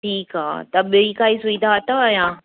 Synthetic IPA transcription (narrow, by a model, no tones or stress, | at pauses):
ʈʰiːkɦa̰ːt̪ɐɓiikaːisʊĩd̪at̪aəjãː